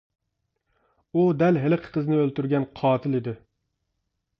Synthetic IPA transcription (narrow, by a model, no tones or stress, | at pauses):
ud̪ælɦɪlɨqʰqʰəznɪølt̪ʊɾɡʲɛnqʰɑːt̪ʰɪlɪd̪ɪ